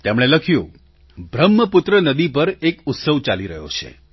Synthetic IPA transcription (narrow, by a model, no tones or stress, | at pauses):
t̪emɽ̃eləkʰjũ | bɾəmːəpʊt̪ɾənəd̪ipəɾekʊt̪səʋt͡ʃaliɾəɦjo̰t͡ʃʰḛ